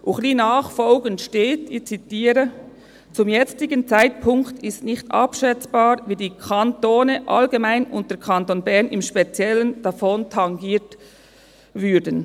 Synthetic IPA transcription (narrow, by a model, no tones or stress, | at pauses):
ʔuχliːnaɑːχfɔlɡəntʃteːtɪt͡sitiːɾə | t͡sʊmjɛt͡stɪɡənt͡saɪt̚pʰʊŋktʰɪstnɪçtʔɑ̰pʃɛt͡sb̥ɑːɾviːdiːkʰɑntoːnəʔɑ̰lɡemaɪnʊ̰nt̚d̥ɛkʰɑntonbɛʁnɪmʃpet͡sjɛlənd̥ɑfɔntʰɑŋɡiːt | vʏɾdən